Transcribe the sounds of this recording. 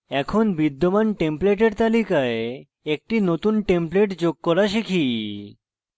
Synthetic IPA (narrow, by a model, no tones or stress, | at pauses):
ɛkʰonbid̪ːomanʈempleʈeɾt̪alikae | ek̚ʈinot̪unʈempleʈd͡ʑoɡ̚kɔɾaʃikʰi